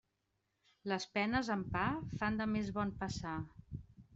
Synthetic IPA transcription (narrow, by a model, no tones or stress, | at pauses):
ləspɛnəzəmpafand̪əmezβɔnpəsa